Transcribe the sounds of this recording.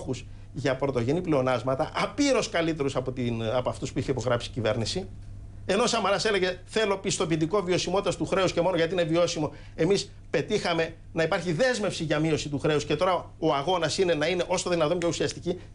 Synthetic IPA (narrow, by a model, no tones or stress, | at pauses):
xus | ʝɐpɾo̞t̪o̞ʝe̞nipleo̞nɐzmɐt̪ɐʔɐpiɾo̞skɐlit̪e̞ɾusɐpot̪iɐpɐft̪uspuiçe̞ipo̞ɣɾɐpsicive̞̰ɾnisi | e̞no̞sɐmɐɾɐse̞le̞ʝe̞θe̞lo̞pist̪o̞p̬it̪̬iko̞vio̞simo̞t̪it̪ɐst̪uxɾe̞usce̞mo̞no̞ʝɐt̪iine̞vio̞simo̞ | e̞mis | pe̞t̪ixɐme̞ | nɐipɐɾçiðe̞zme̞fsiʝɐmio̞sit̪uxɾe̞usce̞t̪o̞ɾɐ | o̞ɐɣo̞nɐsine̞nɐine̞ʔo̞sɐðinɐt̪o̞mceusiɐst̪ici